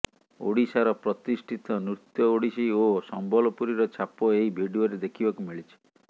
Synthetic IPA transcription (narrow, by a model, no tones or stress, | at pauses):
o̰ɽisaɾɔpɾɔt̪isʈʰit̪ɔnut̪jɔoɽisiosɔmbɔlɔpuɾiɾɔt͡ʃʰapɔeɦibʱiɽioɾed̪ekʰibɔkumiɭit͡ʃʰi̥